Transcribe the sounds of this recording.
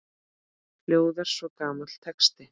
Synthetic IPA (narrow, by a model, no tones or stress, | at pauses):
ljoːwðaɾ̥svɔkaːmat̪l̥t̪ʰɛkst̪ɪ